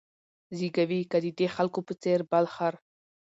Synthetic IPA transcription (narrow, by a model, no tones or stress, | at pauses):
ziɡawikad̪əd̪exalkopət͡seɾbalxaɾ